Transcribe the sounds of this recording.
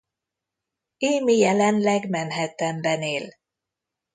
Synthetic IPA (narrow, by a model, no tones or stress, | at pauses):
eːmijɛlɛnlɛɡmɛnɦɛt̪ɛmbɛneːl